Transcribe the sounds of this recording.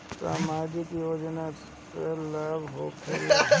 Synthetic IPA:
saːmaːd͡ʒikijoːd͡ʒna | selaːbɦoːkʰḛl

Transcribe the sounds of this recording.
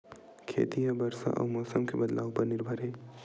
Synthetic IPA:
kʰḛːt̪ijabɐɾsa̰ʔɔ̰ːɾmɔːsəmkebɐd̪la̰ːʋpɐɾnɪɾbʱəɾɦeː

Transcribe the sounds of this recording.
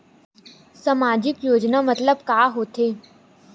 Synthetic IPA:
sɐmaːd͡ʒɪkjoːd͡ʒnamɐt̪ləbkaːɦoːt̪eː

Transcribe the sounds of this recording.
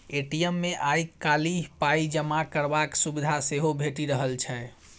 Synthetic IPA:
eʈijəmːeʔajkːaliɦpaid͡ʒəmakəɾbaksubid̪ʱaseɦobʱeʈiɾəɦəlt͡ʃʰɛ

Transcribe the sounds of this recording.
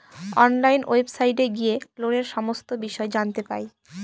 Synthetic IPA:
ɔnlajno̰ebsajʈeɡieloneɾʃɔmost̪obiʃɔed͡ʑant̪epa̰ej

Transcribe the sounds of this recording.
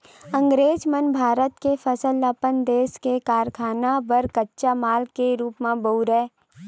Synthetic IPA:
ə̃ŋɡɾeːd͡ʒmənbʱaːɾət̪kefəsəlːəpənd̪eːskekaːɾkʰaːnabəɾkətːʃamaːlkeɾuːpmẽbouɾɛː

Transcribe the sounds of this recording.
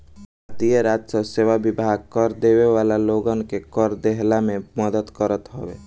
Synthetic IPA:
bʱat̪ijəɾaːd͡ʒsəseːʋabɪbʱaːɡ̚kəɾd̪eweʋaːlaloːɡənkekəɾd̪eɦlamẽməd̪ət̪kəɾət̪ɦoːʋḛː

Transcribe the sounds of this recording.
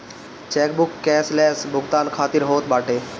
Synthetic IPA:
t͡ʃɛːk̚bʊkːɛːslɛːsbʱʊɡt̪aːnkʰaːt̪iɾɦoːt̪baːʈeː

